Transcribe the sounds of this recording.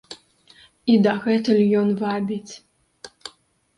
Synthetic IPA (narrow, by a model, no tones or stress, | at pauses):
id̪ɐɣɛt̪ɨlʲjɔnvabʲit͡sʲ